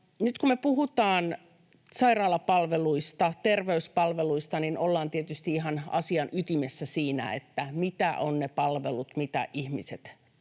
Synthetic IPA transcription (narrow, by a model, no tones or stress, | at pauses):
nyt̪kummepuhut̪ɑːn | sɑirɑːlɑpɑlʋeluist̪ɑt̪erʋeyspɑlʋeluist̪ɑninolːɑːnt̪iet̪yst̪iihɑnɑ̰siɑnʔyt̪imesːæsiːnæ̰ḛt̪ːæmit̪æʔonnepɑlʋelut̪mit̪æ̰ʔihmiset̪